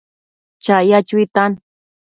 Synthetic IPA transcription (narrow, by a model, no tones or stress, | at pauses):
t͡ʃajat͡ʃʊit̪an